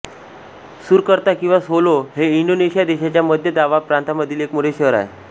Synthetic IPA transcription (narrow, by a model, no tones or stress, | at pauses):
suɾkəɾt̪akĩw̃ʋasoloɦeiɳɖoneɕijad̪eɕat͡ɕjaməd̪ʱjəd̪aʋapɾant̪aməd̪ʱiːlekmuɽeɕəʋɾa̰e